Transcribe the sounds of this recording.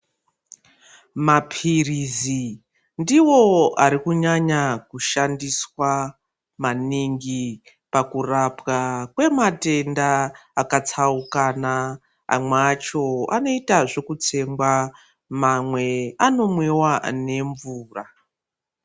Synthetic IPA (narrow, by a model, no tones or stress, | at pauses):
mapʰirizi | ndiwo̞aɾikuɲaɲakuʃandiswa | maniŋɡi | pakurapɣakwe̞mate̞ndaːkat͡saukana | a̰mweat͡ʃo̞a̰no̞itaʐe̞kut͡se̞mɡwa | mamwe̞ano̞mwewane̞ɱvuːra